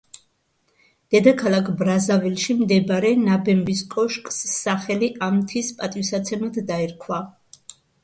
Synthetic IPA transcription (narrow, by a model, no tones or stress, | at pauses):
d̪̥ɛd̪akʰalˠakʰbɾazavilʃimd̪ɛbaɾɛnabɛmbiskʼɔʃkʼsːaχɛliʔamt̪ʰispʼat̪ʼisat̪sʰɛmad̪d̪aɛɾkʰwa